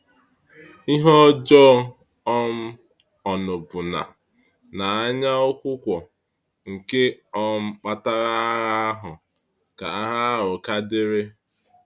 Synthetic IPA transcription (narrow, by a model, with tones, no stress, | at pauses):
i˦ɦɔ˦d͡ʒɔ˦ | ɔ˦m̩˦ | ɔ˨nʊ˨bʊ˨na̰˨ | na˨a˦ɲa˦o˦kʷʊ˦kʷɔ˨ | ŋ̩˨ke˦ɔ˦m̩˦k͡pa˦ta˦ɾa˦ɣa˦ɦʊ˨ | ka˨a˦ɦa˦ɾʊ˨ka˦dɪ˦ɾe˦